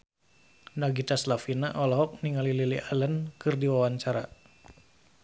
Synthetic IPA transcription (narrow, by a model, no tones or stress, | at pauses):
naɡit̪aslafinaʔɔlɔɦɔk̚niŋalililialənkɨrdiwawaɲt͡ʃaɾa